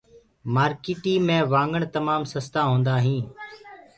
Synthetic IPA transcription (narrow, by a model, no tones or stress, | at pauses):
maːɾkiːʈiːmẽːʋãːŋɡəɳt̪əmaːmsəst̪aːɦõːnd̪aːɦĩː